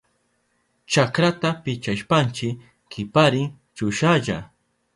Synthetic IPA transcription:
t͡ʃakɾat̪apɪt͡ʃaʃpant͡ʃɪ | kʰɪpaɾɪŋ | t͡ʃʊʃaʒa̰

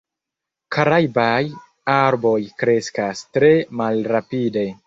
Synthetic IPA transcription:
kaɾajbaj | aɾbo̞jkɾe̞skastɾe̞malɾapide̞

